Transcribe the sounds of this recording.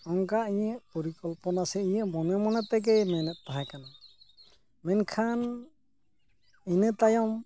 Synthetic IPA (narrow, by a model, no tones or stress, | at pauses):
ɔŋkaʔiɲəʔpɔɾikɔlpɔnasɛiɲəʔmɔnɛmɔnat̪ɛɡ̬ɛjmɛnɛt̪̚ˀt̪aɦakana | mɛnkʰan | inət̪ajɔm